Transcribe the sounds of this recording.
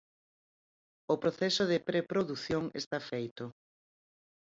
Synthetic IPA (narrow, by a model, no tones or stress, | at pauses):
ʊpɾoθɛsʊðɪpɾepɾoðuθjoŋḛst̪afejt̪ʊ